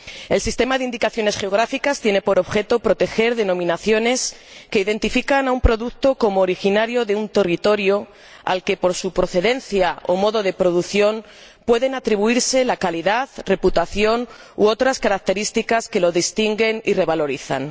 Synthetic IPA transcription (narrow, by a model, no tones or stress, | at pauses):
e̞lsist̪e̞maðeind̪ikaθjo̞ne̞sxe̞oɣ̞ɾafikast̪jene̞po̞ɾo̞βxe̞t̪o̞pɾo̞t̪e̞xe̞ɾðe̞nõ̞mĩnaθjo̞ne̞ske̞iðe̞nt̪ifikanaumpɾo̞ðuk̚t̪o̞ko̞moːɾixinaɾjo̞ðeunt̪e̞rit̪o̞ɾjo̞ | a̰lke̞po̞ɾsupɾo̞θe̞ðe̞nθjao̞mo̞ðo̞ðe̞pɾo̞ðuθjo̞n | pwe̞ðe̞nat̪ɾiβuiɾse̞lakaliðaðre̞put̪aθjo̞n | oo̞t̪ɾaskaɾak̚t̪e̞ɾist̪ikaske̞lo̞ðist̪iŋɡe̞nire̞β̞alo̞ɾiθa̰n